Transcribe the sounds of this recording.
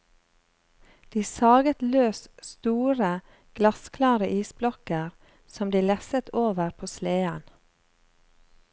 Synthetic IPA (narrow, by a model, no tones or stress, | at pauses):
d̪̥iːsɑːɡət̪løːsst̪uːɾə | ɡ̥lɑskʰlɑːɾəʔiːsblɔkəɾ | sɔmd̪iːlɛsət̪ʰoːʋəɾpʰoːsleːən